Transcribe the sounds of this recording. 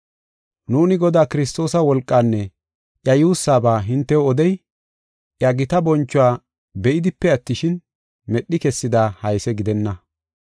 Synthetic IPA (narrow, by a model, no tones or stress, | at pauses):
nuːnɪɡɔd̪aːkɪɾɪst̪o̞ːsɐwɔlkʼːaːnːɛ | ʔjɐjuːsːaːbaːɦɪnt̪ːɛɔɔd̪ɛj | ʔjɐɡɪt̪ɐbɔnt͡ʃːʊwaː | bɛʔɪd̪ɪpːɛɐt̪ːɪʃɪn | mɛɗːɪkɛsːɪd̪aːhɐjsɛɡɪd̪ɛnːɐ